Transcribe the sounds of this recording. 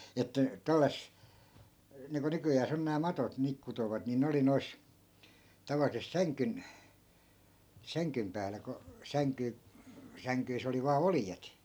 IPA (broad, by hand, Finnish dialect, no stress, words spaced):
etːæ tælːæs niːŋku nykyjæːs on næː mɑtot niːk kutoʋɑt ni ne oli nois tɑʋɑlisest sæŋkyn sæŋkym pæːlæ ko sæŋky sæŋkyis oli ʋɑː oljet